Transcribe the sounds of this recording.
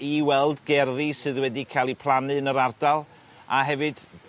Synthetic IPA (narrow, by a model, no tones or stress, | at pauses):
iwɛlˠdɡɛrðisɨðwɛdikʰajlˠipʰl̥ˠanɨnəɾard̥alˠ | aɦɛvɨd̥